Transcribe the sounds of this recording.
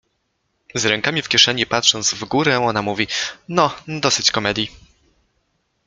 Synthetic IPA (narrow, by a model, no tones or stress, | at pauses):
zɾɛŋkamʲifkʲɛʂɛɲipat̪ʂɔnd̪zvɡuɾɛɔnamuvʲinɔd̪ɔsɘt͡ɕkɔmɛd̪ʲji